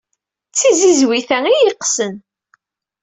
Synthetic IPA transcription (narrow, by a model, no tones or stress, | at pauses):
t͡sːizizwiθæŋijiqsən